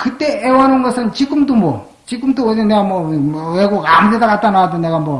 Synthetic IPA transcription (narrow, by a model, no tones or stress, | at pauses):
kɯt͈e̞ʔewʌnɯnɡʌsʰɯnt͡ɕiɡɯmdomwʌ | t͡ɕik͈ɯmdoːd͡ʑenːeɡamwʌeɡoɡamdedakat͈̚anadone̞ɡamwʌ